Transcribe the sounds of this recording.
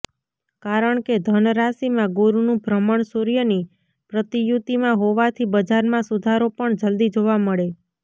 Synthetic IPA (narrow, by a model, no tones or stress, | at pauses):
kaɾəɳked̪ʱənɾasimãɡoɾunũbɾəməɳsuɾijəni | pɾət̪ijut̪imãɦoʋat̪ʰibəd͡ʒaɾmãsud̪ʱaɾopəɳd͡ʒəld̪id͡ʒoʋaməɭe